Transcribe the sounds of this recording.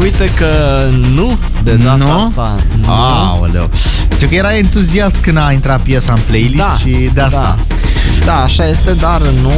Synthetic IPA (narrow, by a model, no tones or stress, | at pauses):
ujt̪ekə | nu | d̪ed̪anuat̪a | a̰ | wḛlḛ | ənt̪ɾukəjeɾaent̪uziast̪kɨnd̪aint̪ɾat̪̚pjesaɨnplejlist̪ʃi | d̪east̪a̰ | d̪aːʃaje̞st̪ed̪arnu